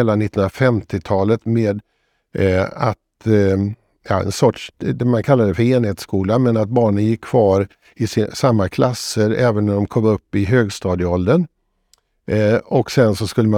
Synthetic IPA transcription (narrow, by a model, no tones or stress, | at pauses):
lːanɪt̪ːəh̪ənɾafɛmt̪ʰɪt̪ʰɑːlət̪meːd̪ | a̰t̪ | jɑ̰ːɛ̰nsɔʈʂd̪ɛmankʰalːad̪ɛfəɾeːnheːt̪skuːlamɛnat̪̚bɑːɳənjɪkʰːv̥ɑːɾ | ɪsamːakʰlasːəɾɛːvənːɔd̪ɔmkʰɔmːɵpːɪɦøːɡst̪ɑːd̪əɔld̪ən | ɔksɛnsɔskɵlːəma